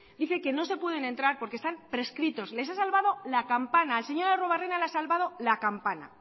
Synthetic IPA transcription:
d̪iθe̞ke̞no̞se̞pwe̞ð̞e̞ne̞nt̪ɾaɾpo̞ɾke̞st̪ampɾe̞skɾit̪o̞sle̞sasalβað̞o̞lakampanaelse̞ɲo̞ɾeroβarenalasalβað̞o̞lakampana̰

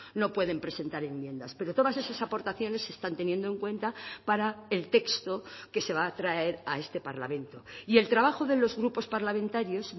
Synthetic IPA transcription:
no̞pwe̞ðe̞mpɾe̞se̞nt̪aɾe̞mːjẽ̞nd̪aspe̞ɾo̞t̪o̞ð̞ase̞sasapo̞ɾt̪aθjo̞ne̞sːe̞st̪ant̪e̞nje̞nd̪o̞e̞ŋkwẽ̞nt̪apaɾaelt̪e̞kst̪oke̞se̞β̞aːt̪ɾae̞ɾae̞st̪e̞paɾla̰mẽ̞nt̪o̞ie̞lt̪ɾaβaxo̞ðe̞lo̞zɣɾupo̞spaɾlamẽnt̪aɾjo̞s

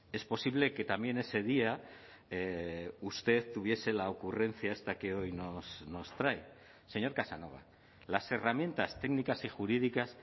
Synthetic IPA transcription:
e̞spo̞siβ̞le̞ke̞t̪amje̞ne̞se̞ð̞ia | ust̪e̞ðt̪uβ̞je̞se̞laokure̞n̟θjae̞st̪ake̞o̞jnosno̞st̪ɾaj | se̞ɲo̞ɾkasano̞β̞a̰ | lase̞ramje̞nt̪ast̪e̞ɡnikasixuɾiðikas

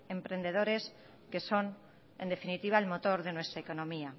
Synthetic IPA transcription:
empɾend̪eð̞oɾes | keson | end̪efinit̪iβ̞aelmot̪oɾðenwest̪ɾaekonõmia

